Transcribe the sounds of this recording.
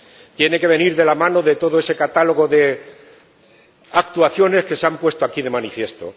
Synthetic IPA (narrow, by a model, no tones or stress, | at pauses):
t̪je̞ne̞ke̞β̞e̞niɾðe̞lamãno̞ðe̞t̪o̞ðoe̞se̞kat̪alo̞ɣ̞o̞ðe̞ | ak̚t̪uaθjo̞ne̞ske̞seampwe̞st̪oakiðe̞manifjest̪o̞̰